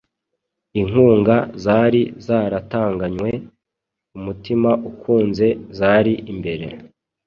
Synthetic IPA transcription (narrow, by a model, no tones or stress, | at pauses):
iŋ̥uːŋɡazaːɾizaːɾataːŋɡaɲwe̞ | umutimaʔukʰuːnze̞zaːɾiʔimbe̞ɾe̞̰